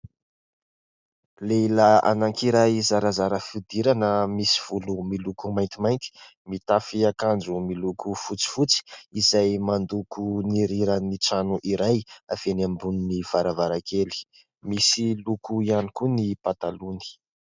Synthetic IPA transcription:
lelaa̰naŋkiɾajzaɾazaɾəfid̪iɾanəmisi̥v̥ulumilukumajnt̪imajŋkʲi̥ | mit̪afiakand͡ʒumilukufut͡si̥fut͡si̥izajmand̪ukuniɾiɾəniʈ͡ʂanuʔiɾajav̥enambununiv̥aɾavaɾakʰeli̥ | misilukuianikunipat̪aluni̥

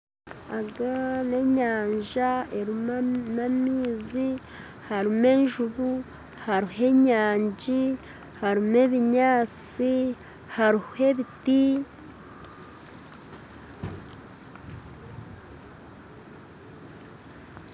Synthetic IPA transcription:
aɡane̞ɲaːɲʒaeɾimnamiːzi | haɾime̞nʒuβu | haɾihe̞ɲaːɲɟi | haɾime̞βiɲaːt͡si | haɾihe̞βiti

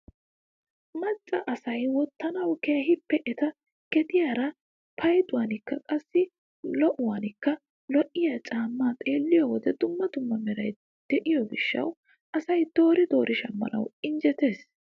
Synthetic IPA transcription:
mɐt͡sʼːɐʔɐsɐjwɔt̪ːɐnɐwke̞ːhɪpːɛʔɛt̪ɐ | kɛt̪ɪjaːɾɐ | pʰɐjd̪ʊwanɪkːɐkʼɐsːɪ | lɔʔʊwaːnɪkːɐ | lɔʔːɪjat͡ʃʼaːmːaːt̪ʼe̞ːlːɪjɔwɔd̪ɛd̪ʊmːɐt̪ʊmːɐmɛɾɐj | d̪̥ɛʔɪjɔɡɪʃːɐ̰w | ʔɐsɐjd̪̥o̞ːɾɪd̪o̞ːɾʔɪʃɐmːɐ̰nɐ̰wɪnd͡ʒɛt̪e̞ːs

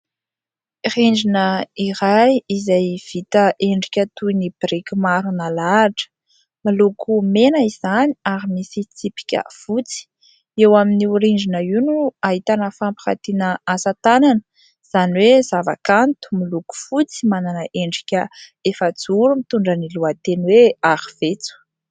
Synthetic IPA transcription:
iriɳd͡ʒinəiɾajizajv̥it̪əʔeɳɖ͡ʐikʲət̪ujnib̥rikʲimaɾunalaʈ͡ʂə̥ | milukʰumenəiz̥aniaɾimisit͡sipi̥kʲə̰v̥ut͡si̥ | ewaminiuɾiɳd͡ʒinəiwnuaɦit̪anəfampi̥xa̰t̪inəasat̪ananə | z̥aniwezava̰kant̪u̥miluku̥fut͡simananəʔeɳɖ͡ʐi̥kʲəefəd͡zuɾumit̪uɳɖ͡ʐəniluat̪enweaɾiv̥et͡su̥

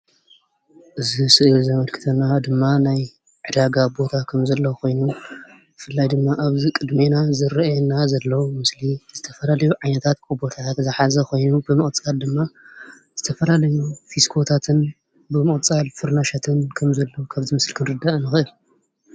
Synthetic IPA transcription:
ʔɨzisɨʔɨlzɐmɐlkʰɨ̥t̪ʰɐnad̪ɨmːanaj | ʕɨd̪aɡabo̞t̪ʰakʰɐmzɐlːɐkʰo̞jnu | bɨfɨlːajd̪ɨmːaʔaβzikʼɨd̪me̞nazɨɾɐʔjɛnazɐlːɐwmɨsliz̥ɨt̪ʰɐfɐlalɐjuʕajnɐt̪ʰat̪̚kʰubo̞t̪ʰaat̪zɨħazɐko̞jnubɨmɨχʼt͡sʼald̪ɨmːa | z̥ɨt̪ʰɐfɐlalɐjufiskʰo̞t̪ʰat̪ʰɨn | bɨmɨχʼt͡sʼalfɨɾnaʃat̪ʰɨnkʰɐmzɐlːowkʰaβzimɨslkʰɨnɾɨd̪ːaʔnɨxɨʔɨl

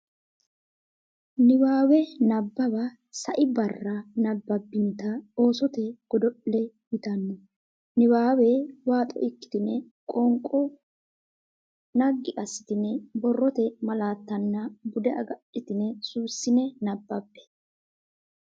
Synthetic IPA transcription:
nɪwaːwɛnɐbːɐbɐ | sɐʔɪbɐrːɐnɐbːɐbːɪnɪt̪ɐo̞ːsɔt̪ɛɡ̥ɔd̪ɔʔːɛ | jɪt̪ɐnːɛ | nɪwaːwɛwaːt̪ʼɔ̰ɪkːɪ̥t̪ɪnɛ | kʼɔŋkʼːɔ | nɐɡːɪʔɐsːɪ̥t̪ɪnɛbɔrːɔt̪ɛmɐlaːt̪ːɐnːɐbʊd̪ɛɐ̰ɡɐʔɪt̪ɪnɛsusːɪnɛnɐbːɐbːɛ̥

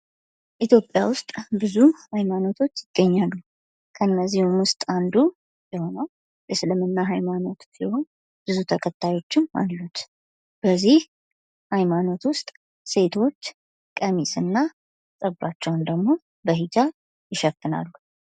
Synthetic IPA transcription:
ʔit̪ʰjo̞pʼjawʊst̪ʼbɨzuhajmano̞t̪ʰo̞t͡ʃːjɪɡ̪ːəɲːalːu | kʰəɨnːəzːihumwʊst̪ʼand̪u | jɛho̞nəw | jɛsɨlɨmɨnːaɦajmano̞t̪siho̞n | b̥ɨzut̪ʰəkʰət̪ʰːajo̞t͡ʃːɪna̰lːut̪ | b̥əzːih | hajmano̞t̪wʊst̪ʼ | se̞t̪ʰo̞t͡ʃː | kʼəmisɨnːa | sʼəbat͡ʃːɛwnd̪əɡmo̞ | bəɦid͡ʒa | jɪʃəfɨna̰lːu

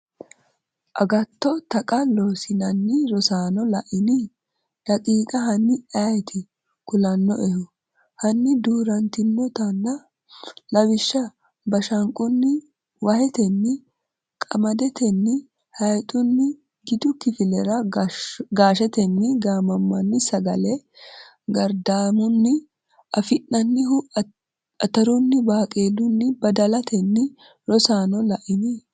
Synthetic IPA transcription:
ʔɐɡɐt̪ːɔt̪ɐkʼɐloːsɪnɐnːɪɾɔsaːnɔlɐʔɪnɪ | lɐkʼiːkʼɐɦɐnːɪɐjt̪ʰɪ | kʊlɐnːɔʔɛhʊ | hɐnːɪd̪uːɾɐnt̪ɪnːɔt̪ɐnːɐ | lɐwɪʃːɐ | bɐʃɐŋkʼʊnːɪ | wɐhɛt̪ɛnːɪ | kʼɐmɐd̪ɛt̪ɛnːɪ | hɐjt̪ʼʊnːɪ | ɡɪd̪ʊkɪfɪlɛɾɐ | ɡaːʃɛt̪ɛnːɪɡaːmɐmːɐnːɪsɐɡɐlɛ | ɡɐɾd̪aːmʊnːɪ | ɐfɪnːɐnːɪhʊ | ɐt̪ɐɾʊnːɪbaːkʼe̞ːlʊnːɪbɐd̪ɐlɐt̪ʰɛnːɪ | ɾɔsaːnɔlɐʔɪmɪ

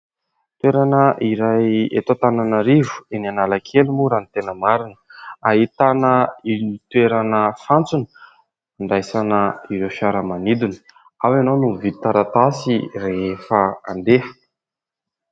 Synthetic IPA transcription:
t̪ueɾanəiɾajḛt̪ot̪ananaɾivu̥enianaləkʰelumuɾanit̪enəmaɾinəaɦit̪anəinit̪weɾanəfant͡sunə̥ | aɳɖ͡ʐajsanəiɾewfjaɾəmanid̪unə̥ | awanonuvit̪aɾat̪asireefəand̪ehə̥

